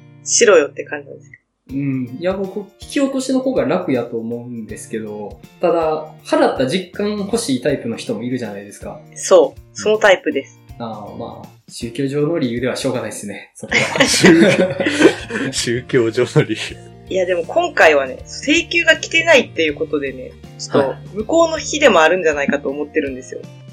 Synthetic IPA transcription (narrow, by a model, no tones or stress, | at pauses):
ɕiɾo̞jo̞t̪ːe̞kãɲ̟d͡ʑid̪es | ɯ̟̃ɴjabokoçʲi̥kʲio̞t̪o̞ɕino̞koːɡaɾakɯ̟jat̪o̞ːmo̞ɯ̟̃nd̪e̞sɨ̥ke̞d̪o̞t̪ad̪ahaɾat̪ːaʑikːãɰho̞ɕiːt̪aipɯ̟no̞çi̥t̪o̞moiɾɯ̟ʑanaid̪e̞sɨ̥kaso̞ːso̞no̞t̪aipɯ̟d̪e̞sɨ̥aːma̰ː | ɕɨːkʲo̞ːʑo̞ːno̞ɾʲijɯ̟ːd̪e̞βaɕo̞ːɡanaid̪esɨne̞soka | ɕɨːkʲo̞ːʑo̞ːnoɾʲijɯ | ijad̪e̞mo̞kʰõ̞ŋkaiβane̞̰sse̞ːkʲɨːɡakʲi̥t̪e̞nait̪ːe̞jɯ̟ːko̞t̪o̞d̪e̞ne̞̰t͡ɕo̥t̪ːomɯ̟ko̞ːno̞çʲid̪e̞mo̞aɾɯ̟̃ɲ̟d͡ʑanaikat̪oːmo̞t̪ːe̞ɾɯ̟̃nd̪e̞sɨjo̞̰